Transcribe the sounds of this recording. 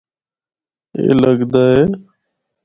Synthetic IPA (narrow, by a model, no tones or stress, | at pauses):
ḛːləɡd̪aɦeː